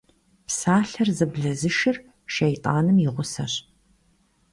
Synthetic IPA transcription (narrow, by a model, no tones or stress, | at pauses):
psaːɬɐrzɨbɮɐzɨʃɪr | ʃejtʼaːnɨmjɪʁʷʊsɐɕ